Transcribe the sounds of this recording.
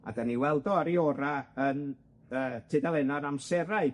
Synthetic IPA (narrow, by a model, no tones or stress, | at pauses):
a̰daniwɛlˠdɔaɾiɔɾaən | əːtʰɪdalˠɛnaɾamsɛɾaɨ